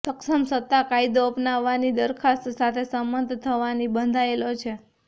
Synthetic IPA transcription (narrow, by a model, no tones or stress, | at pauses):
t̪əksəmsət̪ːakajd̪oəpnaʋːanid̪əɾkʰast̪sat̪ʰesəmːənd̪ʱt̪ʰəʋanibənd̪ʱaelot͡ʃʰe